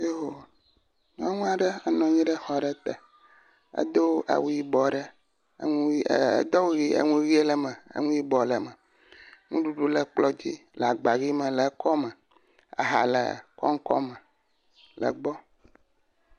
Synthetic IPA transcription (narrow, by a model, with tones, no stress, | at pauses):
je˦ɦo˨ | ŋã˦ŋũ˦a˨ɖɛ˦a˦nɔ̃˨ɲĩ˦ɖɛ˦xɔ˨ɖɛ˦t̪ɛ˨ | ɛ̰˦d̪o˦wʔa̰˨wu˦ji˦bɔ˨ɖɛ˦ | ŋṵ˦d̪ɔ˦wɣi˦ḛ˨ŋũ˦ɣi˦e˦lɛ˨mɛ˨ḛ˦ŋũ˦ji˦bɔ˨lɛ˨mɛ˨ | ŋũ˦ɖu˦ɖu˦lɛ˨k͡plɔ˦d͡ʑi˦lɛ˨a˨ɡ͡ba˨ɣi˦mɛ̃˨lɛ˨˦kɔ˦mɛ̃˨ | a̰˨ɦa̰˨lɛ̰˨kɔ̰˦ŋ˦kɔ̰˦mɛ˨ | lɛ̰˨ɡ͡bɔ˦